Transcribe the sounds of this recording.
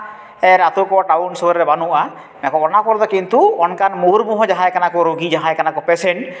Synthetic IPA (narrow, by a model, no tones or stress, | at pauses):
ɛɾat̪ukɔʈawnsɔɾɾɛbanuʔa | ɛakɔɔnakɔɾd̪ɔkint̪uɔnkanmoɾbuɦɔ̃d͡ʒaɦãɛkanakɔɾoɡid͡ʒaɦãɛkanakɔpɛsɛn